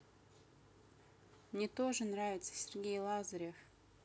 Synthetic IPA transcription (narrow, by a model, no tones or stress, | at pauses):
mnʲet̪oʐɨnravʲɪt̪sə̥sʲɪrɡʲejlˠɑzəɾʲef